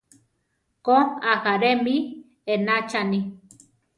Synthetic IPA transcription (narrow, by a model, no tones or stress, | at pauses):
koaxaɾemi | enat͡ʃani